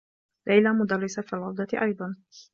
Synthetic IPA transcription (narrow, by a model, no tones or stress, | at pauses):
lajlamʊd̪ɑrˤːɪsafilʕʊd̪ˤɑʔɑjd̪ˤɑn